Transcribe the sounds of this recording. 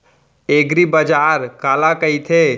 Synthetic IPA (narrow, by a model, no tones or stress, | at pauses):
eɡɾibəd͡ʒaɾkaːlakəjt̪ʰe